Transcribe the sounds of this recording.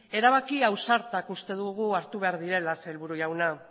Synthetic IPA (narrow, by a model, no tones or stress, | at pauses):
e̞ɾaβakiawsaɾt̪akust̪e̞ðuɣuaɾt̪uβ̞e̞aɾðiɾe̞laselβuɾujawna